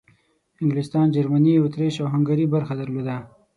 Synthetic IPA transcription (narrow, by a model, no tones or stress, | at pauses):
hɪŋɡlɪst̪ɑnd͡ʒaɾmaniawʊt̪ɾeʃawɦaŋɡaɾibaɾxad̪aɾlod̪a